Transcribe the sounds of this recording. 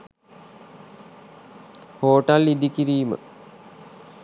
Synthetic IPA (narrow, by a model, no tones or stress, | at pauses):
hoːʈalid̪ikiɾiːmə̰